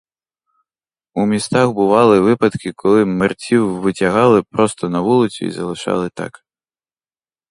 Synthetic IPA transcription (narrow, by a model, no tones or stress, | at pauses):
umʲist̪axbɨvalˠɨvɨpɐt̪kʲikʰɔlˠɨmɨrt͡sʲiwvɨt͡sʲaɣalˠɨpɾɔst̪ɐnɐvulˠɨsʲṵḭzɐlˠɨʂa̰lˠɨt̪a̰k